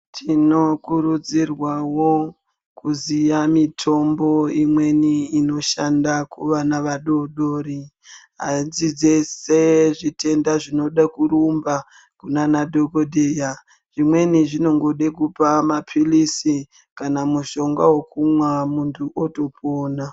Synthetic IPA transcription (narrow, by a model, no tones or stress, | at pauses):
tʰino̞kuɾud͡zirwawo | kuzijamitʰo̞mbo̞imwe̞niːno̞ʃandakuʋanaʋaɗo̞ɗoːɾi | azid͡ze̞seʐitʰe̞ndaʐino̞ɗakuɾumba | kunanadʱokodeːja | ʐ̥imwe̞niʐino̞ŋɡoɗekupamapʰilisi | kanamuʃo̞ŋɡawokumwamuntʰuʔoto̞pʰoːna